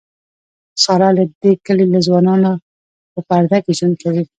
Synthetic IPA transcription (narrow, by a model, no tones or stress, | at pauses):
sɑɾalad̪ekəlelazwɑnɑna | pəpaɾd̪akeʒund̪̚kawi